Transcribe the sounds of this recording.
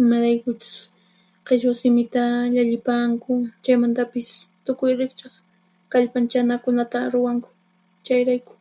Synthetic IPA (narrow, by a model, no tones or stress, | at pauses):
ɪmaɾajkʊt͡ʃʊ̥s | qeʃwasɪmɪt̪aʎaʎɪpaŋkʊt͡ʃajmant̪apɪst̪ʊkʊjɾɪkt͡ʃɑχ | kaʎpant͡ʃanakʊnat̪aɾʊwaŋkʊ̥ | t͡ʃajɾajkʊ̥